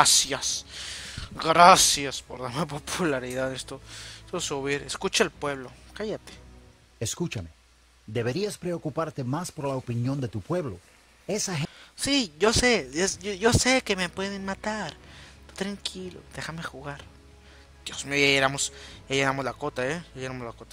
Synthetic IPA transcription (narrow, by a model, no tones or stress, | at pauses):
asjas | ɡɾasjaspoɾðaɾmepo̞pʰulaɾiðaðnest̪ost̪osuβiɾeskut͡ʃaelpwe̞βlo̞kajat̪e̥ | eskut͡ʃame | d̪e̞βe̞ɾiaspɾe̞okupaɾt̪e̞maspo̞ɾlaopinjo̞nd̪e̞t̪upwe̞βlo̞̰ | esasiʝo̞seesoʝosekemepwe̞ðenmat̪aɾot̪ɾaŋkʰilo̰d̪̥exame̞xuɣaɾ | d̪̥jozmejaeɾamosjajeɾamozlakot̪aejajeɾamozlakot̪a